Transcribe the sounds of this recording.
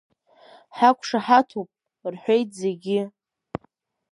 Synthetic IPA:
ħakʷʰʼʂaħatʰopʼ | rħʷe̞jtʰʼze̞ɡʲɪ

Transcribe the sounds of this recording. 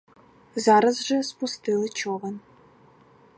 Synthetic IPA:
zaːɾɐzʒɐspustʰɨlɨt͡ʃʰoːʁɐn

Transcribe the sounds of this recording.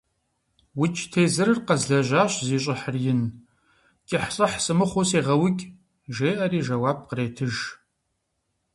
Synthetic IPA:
wʊt͡ʃʰʼtʰeːzɨrɨrqɐzɮɐʒʷaːɕʼziːɕʼɪħərjɪn | kʲʼɪħɕʼɐħsɨmɨχʷoseːʁɐwʊkʲʼ | ʒeːʔɐɾiːʒɐwaːb̚qəreːtʰɨʒ

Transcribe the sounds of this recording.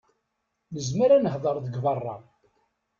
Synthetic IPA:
nəzməɾanəhðˤəɾˤðəɡvɑrˤːɑ̰

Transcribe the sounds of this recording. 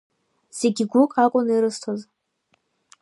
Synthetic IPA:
z̥e̞ɡʲiɡʷʊkʼakʼʊniɾɨstʰoz

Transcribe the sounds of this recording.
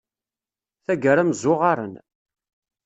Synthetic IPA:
θæɡəɾæməzʊʁaɾˤə̰n

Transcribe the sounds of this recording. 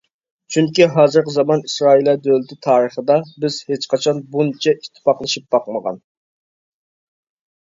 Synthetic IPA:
t͡ʃʰyŋkʲiɦɑːzɨɾqəzɑmɑnisɾɑːilˠɛd̪ølɪt̪ʰɪt̪ʰɑːɾəχəd̪ɑbɪz̥het͡ʃqʰɑt͡ʃʰɑnbunt͡ʃʰɛʔit̪ʰːɪ̥pɑqlˠɨʃip̚b̥ɑqməʁɑ̰n

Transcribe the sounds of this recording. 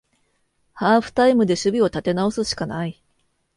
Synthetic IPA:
haːɸɯ̟̥t̪aimɯ̟d̪e̞ɕɨbʲio̞t̪at̪e̞nao̞sɨɕi̥kanai

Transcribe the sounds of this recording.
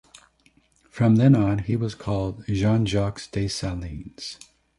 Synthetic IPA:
fɹʌ̃mðɨ̃nə̃niwʌz̥kʰɔlˠd̚ʒɑ̃nd͡ʒɑksd̥eɪsælˠĩnz̥

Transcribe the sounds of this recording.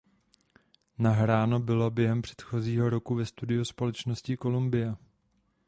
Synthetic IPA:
naɦɾaːno̞bɪlo̞bjɛɦɛmpr̝̥ɛ̥t̪xo̞ziːɦo̞ɾo̞kuvɛst̪udɪuspo̞lɛt͡ʃnoscɪko̞lumbɪjɛ

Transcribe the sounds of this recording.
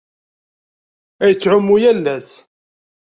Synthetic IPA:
æjət͡sːʕʊmːujælːæs

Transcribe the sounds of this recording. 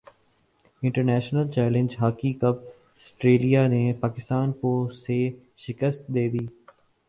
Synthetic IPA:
ɪ̃ɳʈəɾnɛːʃnəlt͡ʃɛːlɪ̃ɲd͡ʒɦaːkikəp̚ | ɐsʈɾeːlijanepaːkɪst̪aːnkose | ʃɪkəst̪̚d̪eːb̪iː

